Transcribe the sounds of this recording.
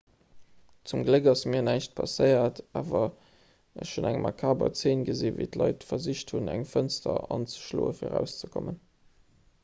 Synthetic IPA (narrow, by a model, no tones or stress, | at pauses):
t͡sumɡləkɑsmiːɐnæɪʃt̚pʰɑsəɪɐtaːvɐ | əɕʃonæŋmʔɑkʰaːbɐ̰t͡seːnɡəziːveɪtlɑɪtfɐziɕthunæŋfənstʰɐɑnt͡sə̥ʃloːəfiːɐʁæʊst͡səkʰomən